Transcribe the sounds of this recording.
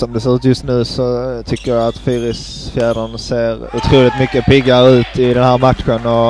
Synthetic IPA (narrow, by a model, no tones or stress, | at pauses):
sɔmd̪ɛseːɾʉ̟ːt̪jɵst̪nʉ̟ːsɔt̪ʰʏkːəjaat̪fyːɾɪs | fjæːɖənseːɾʊt̪ʰɾuːlɪt̪mʏkːəpɪɡːaɾəʉ̟ːt̪ɪd̪ɛnhæːɾmat̪ɧənɔ